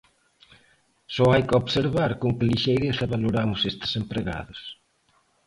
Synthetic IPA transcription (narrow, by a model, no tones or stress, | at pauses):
sɔajkɪoβseɾβaɾkoŋkɪliʃejɾeθaβaloɾamʊsest̪ɪ̥sempɾeɣa̰ðʊs